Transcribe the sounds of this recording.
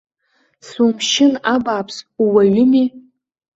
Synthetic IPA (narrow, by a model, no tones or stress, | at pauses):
sumʰʃɪnabaːpʰsuwaɥʊmi